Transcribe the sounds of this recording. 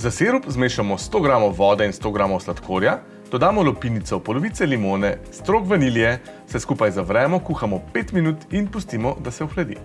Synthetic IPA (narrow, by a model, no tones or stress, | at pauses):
zaseːɾupzmeːʃamɔst̪oːɡɾaːmɔʋɔːd̪ɛinst̪oɡɾaːmɔwslat̪kʰoːɾja | d̪̥ɔd̪aːmɔlɔpinit̪sɔpɔlɔʋiːt̪sɛlimoːnɛst̪ɾoːkʋɐnilijɛ | sɛskuːpajzavɾɛːmɔkuːxamɔpeːt̪minuːt̪inpust̪imɔd̪asɛɔxlad̪ḭ